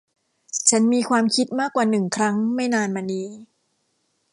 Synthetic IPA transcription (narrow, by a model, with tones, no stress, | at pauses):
t͡ɕʰa˦˥nmiː˧kʰwaː˧mkʰi˦˥t̪̚maː˥˩kwaː˨˩nɯ˨˩ŋkʰɾa˦˥ŋma˥˩jnaː˧nmaː˧niː˦˥